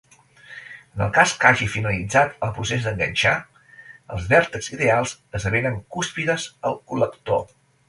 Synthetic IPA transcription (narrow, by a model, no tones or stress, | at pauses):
ənə̰lˠkaskaʒifinəlid͡zat̪əlˠpɾusezd̪əŋɡənʲt͡ʃa | əlˠzβɛɾt̪əkziðealˠzəzəβeɾəŋkuspiðəzəlˠkuləkt̪o